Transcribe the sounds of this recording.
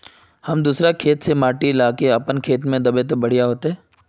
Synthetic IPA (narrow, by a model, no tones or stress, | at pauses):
hɐmd̪uːsɾakʰeːt̪semaːʈilaːkeɐpənkʰeːt̪mẽd̪ɐbet̪̬obɐɽ̤ijaɦoːt̪eɦɛː